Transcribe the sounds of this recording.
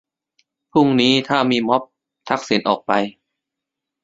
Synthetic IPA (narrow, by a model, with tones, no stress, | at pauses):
pʰu˥˩ŋniː˦˥t̪ʰaː˥˩miː˧mɔ˦˥p̚ | t̪ʰa˦˥k̚si˨˩˦nʔɔː˨˩k̚pa˧j